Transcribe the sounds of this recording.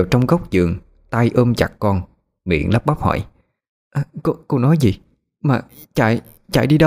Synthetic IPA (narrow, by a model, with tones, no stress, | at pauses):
aː˨˩wt͡ɕɔ˧wŋ͡mɣə˦˥wk͡p̚zɨ˨˩əŋ | t̪a˧jʔəː˧mt͡ɕa˨˩k̚kɔ˧n | mḭ˧˨ənləː˦˥p̚ɓa˦˥p̚hɔ̰˧˨j | ʔa˨˩ko˧˦ko˧nɔ˨˦jzi˨˩ | maː˨˩ | t͡ɕa̰˧˩˨j | t͡ɕa̰˧˨jɗi˧ɗə˧